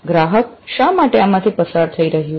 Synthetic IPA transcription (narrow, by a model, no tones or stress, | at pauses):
ɡɾaɦəkʃamaʈeamãt̪ʰipəsaɾt̪ʰəiɾəɦjũ